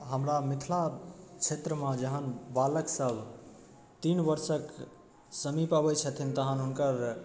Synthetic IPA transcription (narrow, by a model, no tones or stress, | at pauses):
ɦəmɾamit̪ʰlat͡ʃʰet̪ɾəmãd͡ʒəɦənbaləksəb | t̪inbəɾsək | səmipabət͡ʃʰət̪ʰint̪əɦənɦunkəɾ